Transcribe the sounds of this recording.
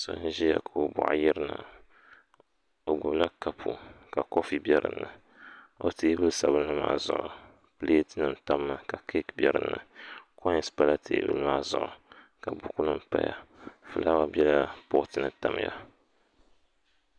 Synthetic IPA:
so̰˨˦n̩˦ʒi˦ja˨kʰo˨o˨bʊ̰˨ʔjɪ˦ɾɨ˦na̰˨ | o˨ɡʊ˨bla˦ka˦pʰu˨ka˨ko˦fi˦bʲjɛ˦ɾɨ̰˨nːɨ˨ | o˦teː˦bɨ˦lsa˨βɨ˦nː˦ɨ˦ma̰ː˨˦˨zʊ̰˨ʔʊ˨ | pɨ˦le˦tɨ˦nɨ˨m˦taː˦a˨ka˨kʰe˦kbjɛ˦ɾɨ̰˨nːɨ̰˨ko˦ɲ˦spa˦la˦tʰeː˨bɨ̰˦lmaː˦zʊ˨ʔʊ˨ | ka˨bʊ˦ku˦nɨ˦m˦pa̰˦ja̰˨fɨ˨la˦wa˦bɛ˦la˦pʊ˦ʔʊ˦tɨ˨nɨ˦ta˨m˦ja̰˦

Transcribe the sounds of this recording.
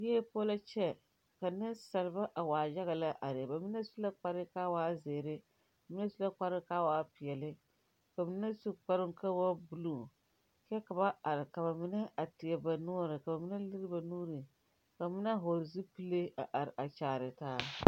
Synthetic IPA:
jɛ˦poː˦la˦t͡ʃɛ˦ | ka˨nɪ˦sa˨lɨ˨ba˦ʔa˨waː˨ja˦ɣa˨la˦ʔa˨ɾɪ˨ba˨mi˦na˦su˦la˦k͡pa˦ɾɪ˦ka˦waː˦zeː˨ɾɪ˦ | ba˨mi˦na˦su˦la˦k͡pa˦ɾɪ˦kaː˦waː˦pi˨jɛ˨lɪ˦ | ka˨bɨ˨nɨ˦na˦su˦k͡pa˦ɾɪ˦ŋ˦ka˦wa˦bu˨lu˦ | kɛ˦ka˨ba˦a˨ɾɪ˨ka˨ba˨mɪ˦na˦ʔa˨tɪ˨ɛ˨ba˨nɔː˦ɾɨ˨ka˨ba˨mɪ˦na˦lɨ˦ɾɨ˦ba˨nuː˦ɾɨ˨ | ka˨ba˨mi˦na˦˨ɦo˨ɾzi˦pɨ˦le˦a̰˨ʔa˨ɾɪ˨ʔa˨t͡ʃaː˨ɾɪ˨taː˦

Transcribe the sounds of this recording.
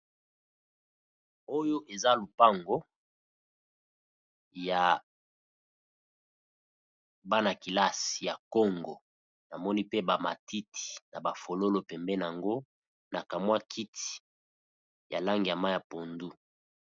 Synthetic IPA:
o˦jo˦ʔe˨za˦lo˨pa˦ŋɡo˦ | ja˨ | ba˦na˨ki˨la˦sja˨kɔ˦ŋɡo˨ | na˨mɔ˦ni˦pe˦ba˨ma̰˨ti˦tʰi̥˨na˨ba˨fo˨lo˦lo˨pɛ˨mbɛ˦n˨a˨ŋɡo˦ | na˨ka˨mwa˦kʰi˦ti̥˨ | ja̰˨la˦ŋɡi˨ja˨ma˦ja˨po˨ndu˦

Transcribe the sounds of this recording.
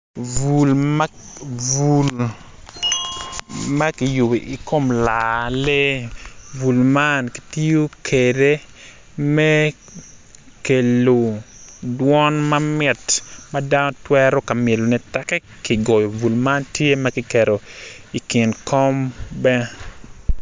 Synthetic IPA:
vu˨lmavu˨l | ma˦kɪ˨jʊ˨bi˨ʔi˨ko˦mla˨le˦ | vu˨lma˦nki̥˨ti˦jo˦kʰe˨de˦ | mɛ˦ | ke˨lo˨dwɔ˦nmɐ˦mɪ˨tmada˦no˦twɛɾo˦ka˨mje˨lo˨nɛ˨˦tɛ˦kɛ˦ | ki˨ɡɔ˨jo˨vu˨lma˦ntje˦ma˦ki˦kɛ˨ɾo˨ | i˨kɪ˨nkɔ˦mbɛ˦

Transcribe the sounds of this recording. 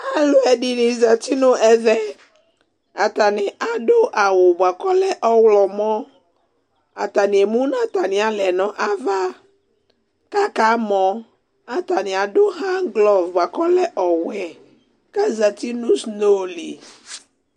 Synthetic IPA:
a˨lo˨˦ɛ˨dɪ˨nɪ̃˨za˨ti˦nʊ̃˦ʔɛ˨vɛ˦ | a˨ta˨nɪ˨ʔa˨dʊ˦ʔa˨wʊ˨bwa˨kɔ˦lɛ˦ʔɔ˦wlɔ˨mɔ̃˦ | a˨ta˨nɪ̃˨e˨mũ˦nã˦ta˨nɪ̃˨a˨lɛ˨nɔ̃˨ʔa˦va˦ | ka˦ka˨˦mɔ̃˨ | a˨ta˨nɪ˨a˨dʊ˦ɦã˦ɡlɔ˦vbwa˨kɔ˦lɛ˦ʔɔ˨wɛ˨ | ka˦za˨ti˦nʊ̃˦sno˦lḭ˨

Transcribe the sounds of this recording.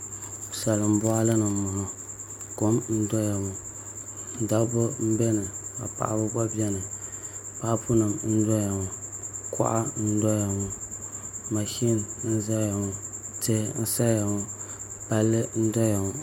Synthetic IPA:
sa˨lɨ˨m̩˦bɔ˦a˦la˦nɨ˨mɔ˨nɔ˨ | ko˦mn̩˦dɔ˦ja˨ŋʊ˨ | n̩˦˨da˦bʊ˦m̩˦bɛ˦nɨ˨a̰˨pa̰˨ʔa̰˨bʊ˦ba˦bi˦ɛ˦nɨ˨pa˨ʔpʊ˦nɨ˨mn̩˦dɔ˦ja˨ŋʊ˨kɔ̰˦ʔa̰˦n̩˦dɔ˦ja˨ŋʊ˨ | ma˨ʃi˦n˨ɨ˦n̩˦za˦ja˨ŋʊ˦tɨ˦n̩˦sa˦ja˨ŋʊ˦ | ba˦lːɨ˦n̩˦dɔ˦ja˨ŋʊ˨

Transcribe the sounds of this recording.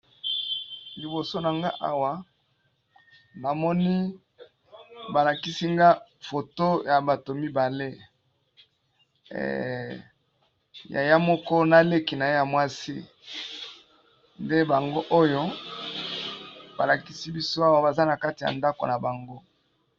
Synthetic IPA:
li˨bo˨so˦na˨ŋɡa̰˦ʔa̰˦wa˨ | na˨mɔ˦ni˦ | ba˨la˨ki˦si˦ŋɡa˦fo˨to˦ja˨ba˨to˨mi˦ba˨le˦ | ɛ̰˨ | ja̰˨ja˦mɔ˦kɔ˦na˦le˦ki˨na˨je˦ja˨mwa˦sḭ˦ | nde˦ba˨ŋɡo˦ʔo˦jo˦ | ba˨la˨ki˦si˦bi˦so˦a˦wa˦˨ba˨za˦na˨ka˦ti˨ja̰˨nda˦ko̰˨na˨ba˨ŋɡo˦

